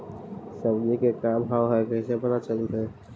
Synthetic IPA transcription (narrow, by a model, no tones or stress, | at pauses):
səbnikekabʱɦaːɦɛkəɦĩsebəɾat͡ʃəluɦɛː